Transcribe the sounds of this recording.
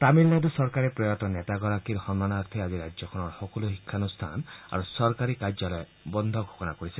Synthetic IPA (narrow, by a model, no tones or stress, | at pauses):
t̪amilnad̪ɔsɔɾkaɾepɾɔjɔt̪ɔnet̪aɡɔɾakiɾhɔnːanaɾt̪ʰiad͡ʒiɾad͡ʒjɔkʰɔñɔɾhɔkuluɦikʰːanust̪ʰa̰na̰ɾusɔɾkaɾikad͡ʒɔlɔe | bɔnd̪ʱɔɡʱo̥kɔnakɔɾisi